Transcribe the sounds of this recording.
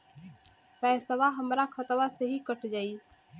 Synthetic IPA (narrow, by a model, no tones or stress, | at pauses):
pɛsəʋaɦəmɾakʰət̪ʋaseɦikəʈʰd͡ʒaːi